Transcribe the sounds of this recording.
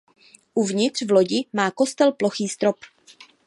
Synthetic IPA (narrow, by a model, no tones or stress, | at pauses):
ʔuvɲɪt̪r̝̥vloɟɪmaːko̞st̪ɛlploxiːst̪ɾop